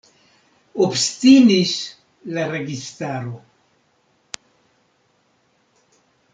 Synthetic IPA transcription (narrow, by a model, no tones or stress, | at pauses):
obst̪inis | lareɡist̪aɾo